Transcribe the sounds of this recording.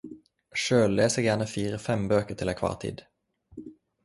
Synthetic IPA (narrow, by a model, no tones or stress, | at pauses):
ʃøːlleːsəjæːɳəfiːɾəfɛmbøːkəʈ̪ʰɪlɛkʰvɑ̰ːʈ̪ʰḭːd̪